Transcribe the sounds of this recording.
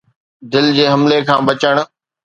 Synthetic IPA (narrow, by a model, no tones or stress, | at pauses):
d̪ɪld͡ʑeːɦɐmlekʰãːbɐt͡ɕəɽ̃̆